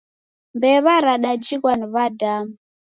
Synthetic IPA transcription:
mbɛβaɾaɗad͡ʒikwaniβadam

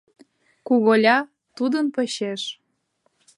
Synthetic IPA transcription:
kuɣolʲɑ | t̪ud̪ənpəɕeʃ

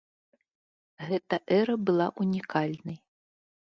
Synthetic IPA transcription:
ɣɛt̪ɐʔɛɾɐbɨlˠaʔunʲikʰalʲnɐj

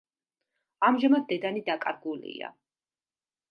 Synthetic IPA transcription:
amʒamad̪̚d̪ɛd̪anid̪akʼa̰ɾɡulḭa̰

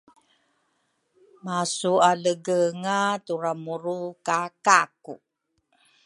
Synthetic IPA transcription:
masualəɡəŋatuɾamuɾukakaku

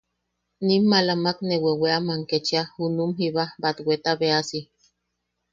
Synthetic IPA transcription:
nimːalamakneweweamaŋket͡ʃiahunumɦiβabat̪wet̪aβeasi

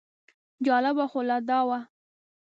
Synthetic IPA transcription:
d͡ʒɑlabaxolad̪ɑwa

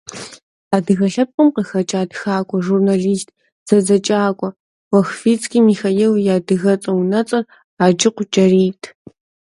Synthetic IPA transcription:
aːdɨɣɐɬɐp̚qʷʼəmqəxɐt͡ʃʼaːdxaːkʷʼɔʒurnaɮiːstʰ | z̥ɐzɐt͡ʃʼaːkʷʼɔ | wɐxfiːt͡sʼkʰʼiːmixajiːljaːdɨɣɐt͡sʼɐwnɐt͡sʼɐr | aːd͡ʒɪqʷʊt͡ʃʼɐriːtʰ

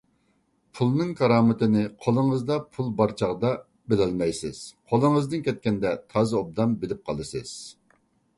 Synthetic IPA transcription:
pʰulˠnɨŋkʰɑɾɑːmɪt̪ɪnɪqʰolˠəŋəzd̪ɑpʰulˠbɑɾt͡ʃʰɑʁd̪ɑ | bɪlɛlmɛjsɨz̥qʰolˠəŋəzd̪ɨnkʲʰɛt̪̚kʲɛnd̪ɛt̪ʰɑːzɨob̚d̪ɑmbɪlɪp̚qʰɑlˠɨsɨz̥

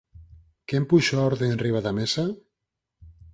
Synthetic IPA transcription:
kempuʃaɔɾðeenriβaðamesa

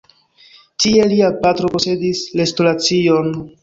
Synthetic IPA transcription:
tie̞liapatɾo̞po̞se̞dislestolat͡sio̞n

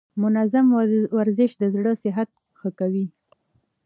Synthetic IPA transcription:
mʊnazamwaɾzɪʃd̪əzɽəsɪɦat̪̚ | xəkawi

